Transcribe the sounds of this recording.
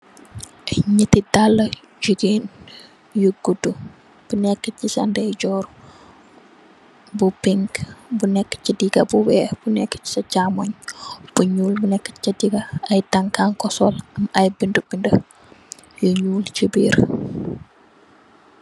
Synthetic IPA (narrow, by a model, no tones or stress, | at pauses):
ɲətidalːɐ | d͡ʒuɡen | juɡudu | b̥unɛkːət͡ʃisɐ̰ndɛjɟɔːɾ | bupiŋkbunɛkːə̥t͡ʃidiɡɐbuwɛːb̥unɛkːə̥t͡ʃi̥sɐt͡ʃamoɲb̥uɲuːlbunɛkːə̥t͡ʃɐdiɡɐɐjtaŋkaŋkɔsɔlɐmɐjbindəbində | joɲuːlt͡ʃibiːɾ